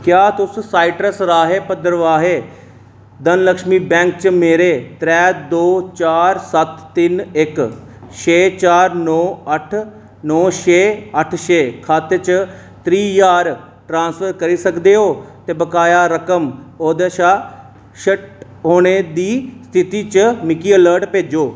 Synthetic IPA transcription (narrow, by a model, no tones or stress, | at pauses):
kjaːt̪ʊssaːɪʈəsɾaːɦeːpəd̪əɾʋaːɦeː | d̪ənləkʃmiːbɛ̃ːŋk̚t͡ʃəmeːɾeːt̪ɾɛːd̪oːt͡ʃaːɾsət̪ːɪnɪk | ʃʰeːt͡ʃaːɾnɔːəʈʰ | nɔːʃeːəʈʰʃeːkʰaːt̪eːt͡ʃ | t̪ɾiːjaːɾ | ʈɾãːnsfʰəɾkəɾiːsəkd̪eːɦoːt̪eːbəkaːjaːɾəkəmoːd̪eːʃaː | ʃəʈ | ɦoːɽ̃ed̪iːst̪ʰɪt̪iːt͡ʃəmɪkiːələːɾʈpeːd͡ʒoː